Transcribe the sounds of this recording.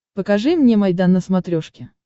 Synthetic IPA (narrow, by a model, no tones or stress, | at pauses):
pəkɐʐɨmnʲemɐjd̪anːəsmɐt̪ɾʲoʂkʲɪ